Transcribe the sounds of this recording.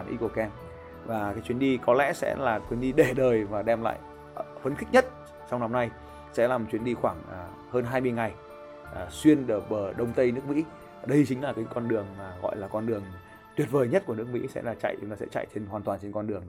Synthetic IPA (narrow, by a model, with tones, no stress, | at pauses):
a˧˨˩nʔḭ˧ko˧˩kɛ˧n | vaː˨˩kaː˨˦jt͡ɕwi˧ənɗi˧kɔ˨˦lɛ̰˧˥sɛ̰˧˥laː˨˩t̪wi˧ənɗi˧ɗe˧˩ɗəː˨˩jvaː˨˩ɗɛ˧mla̰ː˧˨j | fə˨˦nxï˦˥k̚ɲə˦˥t̚ | sa˧wna˧mna˧j | sɛ̰˧˥laː˨˩mɔ˨˩t͡ɕwi˧ənɗi˧xwaː˧˩ŋː˨˩ | həː˧nɦaː˧jmɨ˧əjŋa˨˩j | ʔswi˧ənɗəː˨˩ɓəː˧˩ɗə˧˩wŋ͡mt̪ə˧jnɨ˦˥ək̚mḭ˧˥˨ | ɗə˧jt͡ɕï˨˦ŋ̟laː˨˩kä˨˦kɔ˧nɗɨ˨˩əŋmaː˨˩ɣɔ̰˧˨jlaː˨˩kɔ˧nɗɨ˨˩əŋ | t̪wi˨˩ət̚vəː˨˩jɲə˦˥t̚ku˧˩ən˦˥ək̚mḭ˧˥sɛ̰˧˥laː˨˧˩t͡ɕa̰˧˨ja˨˩sɛ̰˧˥t͡ɕa̰˧˨jt͡ɕe˧nɦwaː˨˩t̪waː˨˩nt͡ɕe˧nkɔ˧nɗɨ˨˩əŋ